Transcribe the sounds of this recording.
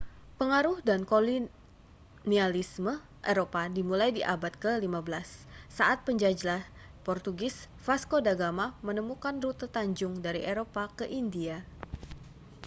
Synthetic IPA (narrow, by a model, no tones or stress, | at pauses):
pəŋaɾʊhdankoli | nialismə | ʔeɾopadimulajdiʔabat̪̚kəlimabəlasːaʔat̪̚pəɲd͡ʒad͡ʒlah | pɔrt̪uɡɪs | faskodaɡamamənəmukanrut̪ət̪aɲd͡ʒʊŋdaɾiʔeɾopakəʔindia